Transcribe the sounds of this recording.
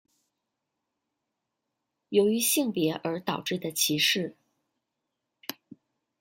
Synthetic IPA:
jo˧˥ʊy˧˥ɕi˥˩ŋpjɛ˧˥ʔə˞˧˥t̪ɑ˨˩ʊʈ͡ʂɻ̩˥˩d̪ə˩t͡ɕʰi˧˥ʂɻ̩˥˩

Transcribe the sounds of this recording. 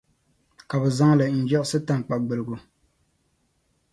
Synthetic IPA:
ka˨bɛ˨za˦ŋ˦la˨n̩˨d͡ʒɛ˦ʔsɨ˦ta˨ŋ˨k͡pa˨ɡ͡bɨ˨lɨ˨ɡʊ˨

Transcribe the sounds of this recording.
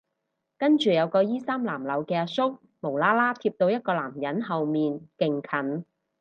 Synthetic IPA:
kɐ˥nt͡ʃyː˨jɐ˨˧wkɔː˧jiː˥saː˥mlaː˨˩mlɐ˨˥˧wkɛː˧sʊ˥k̚ | mo˨˩wlaː˥laː˥t̪ʰiː˧p̚t̪o˧wjɐ˥t̚kɔː˧la̰ː˨˩mjɐ˨˥nɦɐ˨wmiː˨nkɪ˨ŋkʰɐ˨˩n

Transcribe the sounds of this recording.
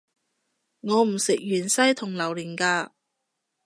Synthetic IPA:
ŋɔː˨˧m̩˨˩sɪ˨k̚jyː˨˩nsɐ˥jt̪ʰʊ˨˩ŋlɐ˨˩wliː˨˩nkaː˧

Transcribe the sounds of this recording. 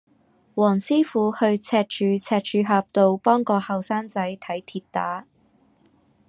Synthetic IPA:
wɔː˨˩ŋsiː˥fuː˨˥hɵ˧ɥt͡sʰɛː˧t̚t͡ʃʰyː˨˧t͡sʰɛː˧t̚t͡ʃʰyː˨˧ɦaː˧p̚t̪o˨˧wpɔː˥ŋkɔː˧hɐ˨wsaː˥ŋt͡sɐ˨˥jt̪ʰɐ˨˥jt̪ʰiː˧tt̪aː˨˥

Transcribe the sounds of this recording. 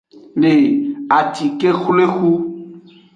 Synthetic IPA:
ne˨a˨t̪i˨ke˦xu˦le˦xu˦

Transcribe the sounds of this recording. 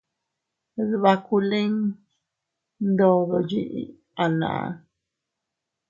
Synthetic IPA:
ðβa˧ku˧lẽ˦ŋ | nd̪o˧ðo˧ji˦ʔḭ˧ | a˨nã̰˨ʔa̰˧

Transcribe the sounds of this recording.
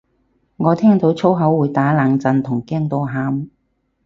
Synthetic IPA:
ŋɔː˨˧t̪ʰɛː˥ŋt̪o˨˥wt͡sʰo˥wɦɐ˨˥wːuː˨˧jt̪aː˨˥laː˨˧ŋt͡sɐ˧nt̪ʰʊ˨˩ŋkɛː˥ŋt̪o˧wɦaː˨˥m

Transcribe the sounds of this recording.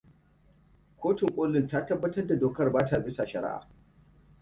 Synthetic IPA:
kʷoː˦tɪ˨ŋkʷʼoː˦lːɪ˦˨ntaː˦tɐ˦bːɐ˦tɐ˦rda˨doː˨kɐ˦rbaː˦ta˨bɪ˦sa˨ʃɐ˨ɾa̰˦ʔa̰ː˨

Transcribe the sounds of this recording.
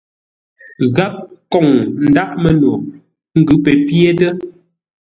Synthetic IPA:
ɣa˦p̚kɔ˨ŋn̩˨da˦ʔ̚mə˨no˨ | ŋ̩˦ɡʉ˨˦pɛ˨pje˦tə˦

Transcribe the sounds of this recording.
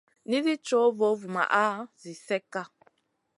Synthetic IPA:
ni˦zi˦t͡ʃɔ˨˦vɔ˨˦vu˨ma̰˨ʔaː˦zi˨sɛ˦ka˦

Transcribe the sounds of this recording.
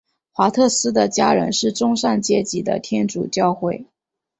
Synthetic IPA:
xwa˧˥t̪ʰɤ˥˩sɹ̩˥d̪ə˨t͡ɕja˥ɻə̰˧˥nʂɻ̩˥˩ʈ͡ʂʊ˥ŋʂa˥˧nt͡ɕjɛ˥˩t͡ɕi˧˥d̪ə̰˧t̪ʰjɛ˥nʈ͡ʂṵ˨˩t͡ɕjɑ˥˧ʊxwe˥˩ɪ

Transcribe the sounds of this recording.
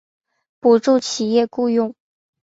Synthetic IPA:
pu˨˩ʈ͡ʂu˥˩t͡ɕʰi˨˩jɛ˥˧ku˥˧jʊ˥˩ŋ

